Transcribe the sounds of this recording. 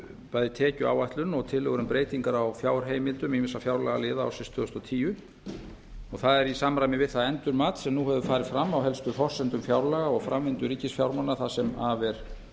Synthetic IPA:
paːjðɪt̪ʰɛːcʏa̰ːwaht̪lʏnɔɣt̪ʰɪlːœɣʏɾʏmpɾeːjt̪iŋkaɾawfjawɾ̥ɦeːjmɪnt̪ʏmimɪnsafjawɾlɛɣalɪːðaːwsɛst̪ʰvʏːʏst̪ɔt̪ʰiːjʏ | ɔɣθaðɛɾisamɾajmɪvɪðθaðɛnt̪ʏɾmaːt̪sɛmnuɦɛvðʏfaːɾɪð̥fɾamːawɦɛlst̪ʏfɔr̥sɛnt̪ʏmfjawɾlɛɣaɔɣfɾamvɪnt̪ʏɾiːcɪsfjawɾmanːaθasɛmavɛɾ̥

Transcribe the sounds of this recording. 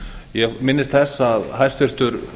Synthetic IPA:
jɛɣmɪnːɪst̪θɛsːaðhajst̪ʏr̥t̪ʏɾ

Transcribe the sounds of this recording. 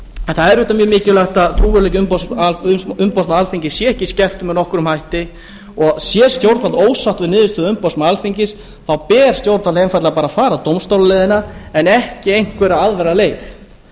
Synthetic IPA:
ɛnθaðɛɾʏht̪amjʏmɪːcɪlaht̪aðt̪ʰɾuːvʏɾlɛcʏmpas | ʏmpawsnaalfiɲcɪsjɛɛhcɪscɛr̥t̪ʏmɛðnɔhkʏɾʏmhajht̪ɪ | ɔɣsjɛst̪jowɾt̪falt̪oːwsaht̪vɪnɪːðɪst̪ʏðʏmpawsmaalfiɲcɪs | θawpɛːɾ̥st̪jowɾt̪valejnfaɾt̪lapaːɾafaːɾat̪owmst̪owlalɛðɪnaɛnɛhcɪejŋ̥kvɛɾaaðvɛɾaleːjθ

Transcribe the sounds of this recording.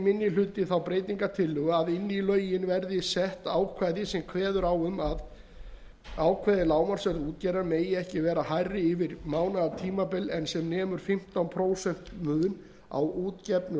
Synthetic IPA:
mɪnːjɪlʏːt̪ɪθawpɾeːjt̪iŋkat̪ʰɪlːʏɣʏaðɪnːilœːɥjɪnvɛɾðɪsɛht̪aːwkʰvaːjðɪsɛmkʰvɛːðʏɾawʏmað | aːwkʰvajðɪlaːwmaɾ̥sœɾðuːt̪cɛːɾaɾmeːjɪɛhcɪvɛːɾahajrːɪɪvɪɾmaːwnaðat̪ʰiːmapɪlːɛnsɛmnɛːmʏɾ̥fɪm̥t̪awnpʰɾoːwsɛn̥t̪mʏːɣʏn | a̰wuːt̪cɛpnʏ

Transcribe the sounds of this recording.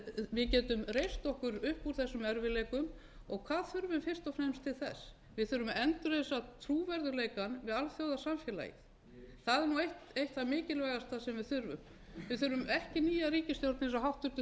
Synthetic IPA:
vɪðcɛːt̪ʏmrejst̪ɔhkʏɾʏhpuɾ̥θɛsːʏmɛɾvɪlɛːkʏm | ɔɣkʰvaːðθʏɾvʏnfɪr̥st̪ɔfnɛmst̪ʰɪlθɛ̰s | vɪðθʏɾvʏmɛnt̪ʏɾesat̪ʰɾuːvɛɾðʏɾlejkanvɪðalθjowðasamfjɛːla̰jɪ̰ | θaðɛɾnuejht̪ejht̪θaðmɪːcɪlvajɣast̪θaðsɛmvɪðθʏɾvʏ̰m | vɪðθʏɾvʏmɛhcɪniːjaɾiːcɪst̪jowlt̪nɪns̬aɦawht̪ʏ̥t̪ʏ

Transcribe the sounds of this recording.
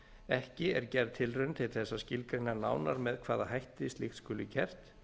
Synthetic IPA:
ɛhcɪɛɾcɛɾðt̪ʰɪlrʏnt̪ʰɪlθɛsːascɪlkɾɪnːana̰wnaɾmɛðkʰv̥aːðahajht̪ɪɪst̪lɪxt̪skʏːlʏcɛr̥t̪

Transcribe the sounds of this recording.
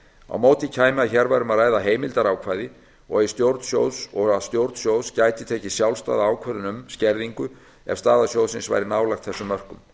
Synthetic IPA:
a̰wmoːwt̪ɪcʰaːjmɪaçɛɾvajɾʏmaðraːjðaɦeːjmɪlt̪aɾaːwkʰvajðɪ | ɔ̰ɣɪst̪jowɾt̪sjo̰ːwðsɔɣaðst̪jowɾt̪sjowscajt̪ɪt̪ʰɛːcɪsjawlst̪a̰ːðaaːwkʰvɛɾðʏnʏmscɛɾðiŋkʏ | ɛ̰v̥st̪aːðasjoːwðsɪnsva̰jɾɪnaːwlajxt̪θɛsːʏmːœr̥kʏm

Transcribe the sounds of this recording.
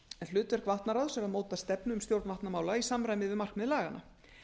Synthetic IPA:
ɛnl̥ʏːt̪vɛɾ̥kʰvaht̪naɾaðsɛmaðmoːwt̪ast̪ɛpnʏʏmst̪jowɾt̪nvaht̪namaːwlaisamɾajmɪvɪmar̥kmɛðlaːɣanʔa̰

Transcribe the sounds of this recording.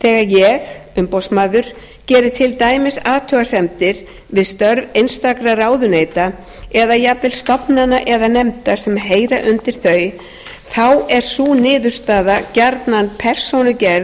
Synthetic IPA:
θɛːɣajɛɣʏmpowsmaːðʏɾ̥ | cɛːɾɪt̪ʰɪlt̪aːjmɪsaːt̪ʰœɣasɛmt̪ɪɾ̥ | vɪðst̪œɾvejnst̪akɾaraːwðʏneːjt̪a | ɛðajavɪlst̪ɔpnanaʔɛðanɛmt̪asɛmɦeːjɾaʔʏnt̪ɪɾ̥θœːɥj | θawɛɾ̥suːnɪːðʏɾ̥st̪aːðacaɾt̪nanpʰɛr̥sownʏcɛɾð

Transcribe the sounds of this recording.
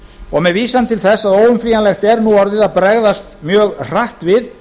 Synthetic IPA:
ɔɣmɛðviːsamt̪ʰɪlθɛsːaðoːwʏmfliːjanlɛxt̪ɛɾnuɔɾðɪðaðpɾɛɣðast̪mjœːɣr̥aht̪vɪð

